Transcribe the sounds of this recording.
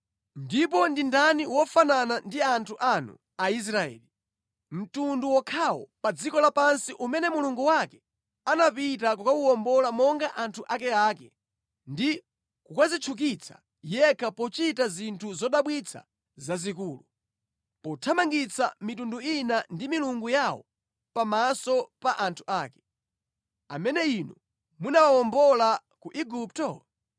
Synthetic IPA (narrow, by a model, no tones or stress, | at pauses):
ndipɔndindaniwɔfananandiantʰuʔanṵ | ais̬ɾaɛ̰ːli | m̩tunduwɔkʰawɔ̰pad͡zikɔlapansiʔumɛnɛmuluŋɡuwakɛ | anapit̬ak̬ukauwɔmbɔlamɔŋɡaʔantʰuʔakɛaːkɛ̰ | ndi | kukazit͡ʃʰuk̬it͡sʰḁ̰ | jɛkʰapɔt͡ʃitazintʰuzɔɗaɓwit͡sʰa̰ | zazikuːlu | pɔtʰamaŋɡit͡sʰa̰mitunduinandimiluŋɡujawɔ̰ | pamasɔpaʔantʰu̥aːkɛ̥ | a̰mɛnɛinu | munawawɔmbɔla | kuʔiɡup̚tɔ